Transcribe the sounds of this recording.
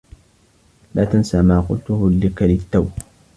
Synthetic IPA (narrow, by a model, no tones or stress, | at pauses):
laːt̪ansamaːqʊ̰lt̪ʊhʊlːɪkalɪt̪ːaw